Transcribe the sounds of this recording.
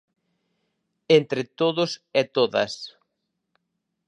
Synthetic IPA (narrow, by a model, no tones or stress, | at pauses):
ent̪ɾɪt̪oðʊsɛt̪oðɐ̰s